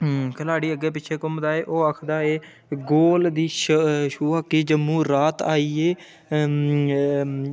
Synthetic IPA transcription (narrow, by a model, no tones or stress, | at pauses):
kəlaːɽiːəɡːeːp̬ɪːt͡ʃʰeːkʊmd̪aːeːʔoːakʰd̪aːeː | ɡoːld̪iːʃʃuːakiːd͡ʒəmːũːɾaːt̪aːiːeː